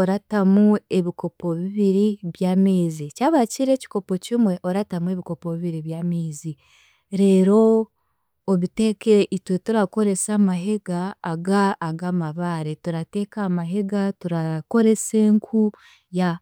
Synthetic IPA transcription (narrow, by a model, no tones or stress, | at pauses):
oɾatamue̞βiko̞po̞βiβiɾiβjaːmeːzicaːβaciɾe̞ci̥ko̞po̞cimwe̞ʔo̞ɾatamue̞βiko̞po̞βiβiɾiβjaːmeːzi | ɾe̞ːɾo̞ː | βite̞ːkeʔitwetuɾako̞ɾe̞samaɦe̞ɡaːɡaːɡamaβaɾetuɾate̞kaːmaɦe̞ɡatuɾako̞ɾe̞se̞ŋkʰu | ja